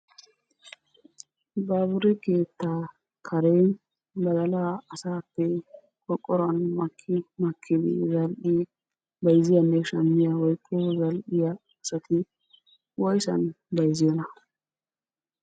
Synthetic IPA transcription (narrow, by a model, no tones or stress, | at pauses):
baːbʊɾɛkeːt̪ːa | kʰɐɾe | bɐɡɐlaːɐsaːpːɛ | kɔkʼːɔɾɐnmɐkʰːɪmɐkʰːɪd̪ɪ̰zɐlɗɪ | bɐjzɪjɐnːɛʃɐmːɪjɐwɔjkʰʼːɔzɐlɗɪjɐː | sɐt̪ʰɪ | wɔjsɐ̰n | bɐjzɪjɔnɐ